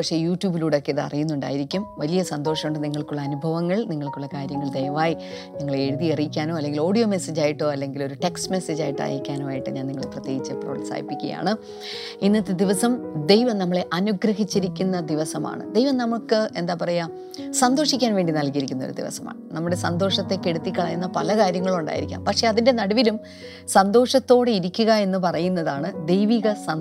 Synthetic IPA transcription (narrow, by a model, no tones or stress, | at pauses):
pɐkʂe̞ːjuːtjuːbiluːɽeo̞kːeiðɨɐ̰rijunːuɳɖa̰ːjiɾikʲːumʋɐlijɐsɐnd̪oːʂɐmuɳɖɨniŋːɐɭkuɭːɐːnubʱɐʋɐŋːɐɭniŋːɐɭkuɭːɐkaːɾjɐŋːɐɭd̪ejɐʋaːji | niŋːɐɭeeɻuðierijikʲːaːnoːɐlːe̞ŋɡilo̞ːɽijo̞ːme̞sed͡ʑaːjiʈːo̞ːɐlːe̞ŋɡilo̞ɾuʈeksme̞sed͡ʑaːjiʈːa̰ːjiikʲːaːnoːaːjiʈːɨɲaːniŋːɐɭeprɐt̪jeːɡit͡ɕːɨpro̰ːlsa̰ːjḭpːikʲːɐ̰ja̰ːɳɨ | inːɐt̪ːed̪iʋɐsɐmd̪ejʋɐmnɐmːɐɭe̞ʔɐnuɡɾɐɦit͡ɕːiɾikʲːunːɐd̪iʋɐsɐma̰ːɳɨ̰d̪e̞jʋɐmnɐmukːɨe̞nd̪aːpɐrɐja | sɐnd̪o̞ːʂikʲːaːnʋe̞ːɳɖinɐlkiɾikʲːunːɐoɾud̪ḭʋɐ̰sɐma̰ːɳɨnɐmːuɽe̞sɐnd̪o̞ːʂɐt̪ːe̞kːe̞ɽut̪ːikːɐɭɐjunːɐpɐlɐkaːɾjɐŋːɐɭuɳɖa̰ːjiɾikʲːa̰ːmpɐkʂe̞ɐðinde̞nɐɽɐʋilum | sɐnd̪o̞ːʂɐt̪ːo̞ːɽeiɾikʲːuɣɐe̞nːɨpɐrɐjunːɐðaːɳɨd̪ejʋiːɣɐsɐ